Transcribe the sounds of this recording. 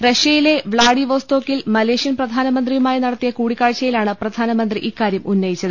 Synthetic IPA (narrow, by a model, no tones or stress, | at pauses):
reʂɐjile̞ʋɭaːɽiʋoːst̪o̞ːkːilmɐle̞ːʂijɐnprɐd̪ʱaːnɐmɐnd̪rijumaːjinɐɽɐt̪ːijɐkuːɽikːaːɻt͡ɕːɐjilaːɳɨprɐd̪ʱaːnɐmɐnd̪riʔiːkːaːɾjɐmʔunːɐjit͡ɕːɐðɨ